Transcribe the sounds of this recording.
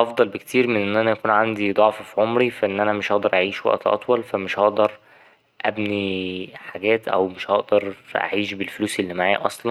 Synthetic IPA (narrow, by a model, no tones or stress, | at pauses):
ʔɑfd̪ˤɑlbekt̪iːɾmenʔenːʔænæjækuːnʕand̪id̪ˤɑʕfɑfiʕomɾifæʔenːʔænæmeʃhɑʔd̪ɑɾˤʔaʕiːʃwæ̰ʔt̪ʔɑ̰t̪ˤwɑlfæmeʃhɑʔd̪ɑɾˤ | ʔæbniħaɡæːt̪ʔæ̰wmeʃhɑʔd̪ɑɾˤʔa̰ʕiːʃbelfluːselːimaʕa̰ːʔɑ̰sˤlɑn